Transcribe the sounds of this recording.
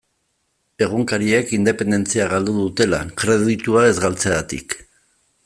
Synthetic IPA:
e̞ɣ̞uŋkaɾiekind̪e̞pe̞nd̪e̞nt͡siaɣ̞ald̪uðut̪e̞la̰kɾe̞ðit̪uae̞zɣalt͡seɣat̪ḭk

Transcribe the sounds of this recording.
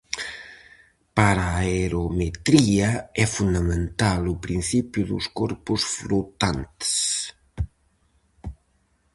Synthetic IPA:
paɾaeɾomet̪ɾiəɛfund̪əment̪alupɾinsipjuðṵskɔɾpusfɾut̪ant̪s

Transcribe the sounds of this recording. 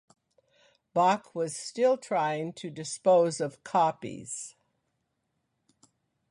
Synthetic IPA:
b̥ɑkʰwʌz̥stɪlˠtʰɹ̥aɪɪ̃ŋtʰɨdɨspoʊzʌv̥kʰɑpḭz̥

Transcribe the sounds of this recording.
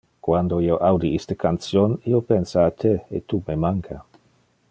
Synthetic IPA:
kwand̪oioʔawd̪iist̪əkansjoniopensaːt̪ʰeḛt̪ːumemaŋkʰa

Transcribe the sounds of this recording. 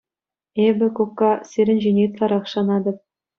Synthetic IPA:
ebʲɘ̆kukːɑsʲeɾʲɘ̆nʲʑenʲet̪lˠɑɾɑχʃɑnɑd̪ɤ̆p̚

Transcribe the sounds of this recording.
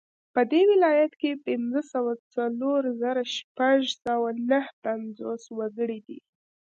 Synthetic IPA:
pəd̪ewɪlɑjat̪kepɪnd͡zəsawat͡saloɾzaɾaʃpaʒsawanəhpand͡zoswaɡəɽid̪ḭ

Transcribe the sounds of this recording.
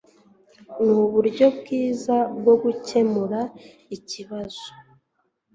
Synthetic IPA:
nuβuɾɟo̞bɡiːzabɡo̞ɡuce̞muɾa | iciβaz̥o

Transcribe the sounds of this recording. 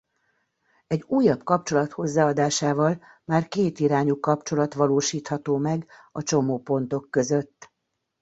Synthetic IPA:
ɛɟuːjɒbkɒpt͡ʃo̞lɒt̪ho̞zːaːɒd̪aːʃaːvɒl | maːrkeːt̪iɾaːɲukɒpt͡ʃo̞lɒt̪ʋɒloːʃiːt̪hɒt̪oːmɛɡɒt͡ʃo̞moːpo̞n̪t̪o̞kːø̞zøt̪ː

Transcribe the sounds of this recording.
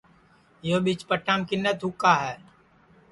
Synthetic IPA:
jobɪt͡ʃpəʈʰːaːmkɪnːət̪ʊkːaɦɛː

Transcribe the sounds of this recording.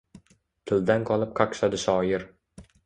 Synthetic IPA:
t̪ʰɪld̪anqʰɒlˠɪp̚qʰakʃad̪ɪʃɒːjɪɾ

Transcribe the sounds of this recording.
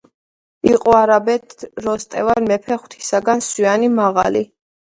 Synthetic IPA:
iqʼɔaɾabɛt̪ʰɾɔst̪ʼɛvanmɛpʰɛχwt̪ʰi̥saɡanswianimaʁa̰li

